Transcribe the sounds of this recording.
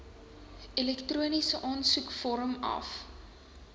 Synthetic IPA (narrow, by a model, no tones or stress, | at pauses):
ilɛktruənisəʔɑːnsukfɔɾəmɐ̰f